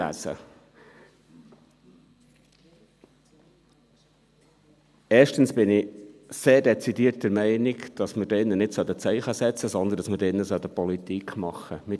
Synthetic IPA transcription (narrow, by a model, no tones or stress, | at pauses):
æ̰sə̰ | ɛːʃtənsb̥ɪnɪseːɾdɛt͡sidiːt̚dəɾmɛɪniɡd̥ɑsməɾdɛɪnːənɪtsœlt̪ət͡sɛɪχəsɛt͡səsɔnd̪əndɑsməɾdɪnːəsœt̪əpɔlit̪ikχmɑχːəmɪ